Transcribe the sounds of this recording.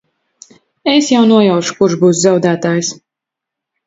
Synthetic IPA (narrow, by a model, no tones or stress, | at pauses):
esjawnuɔjawʃu̥kuɾʒbuːszawd̪æːt̪aːjs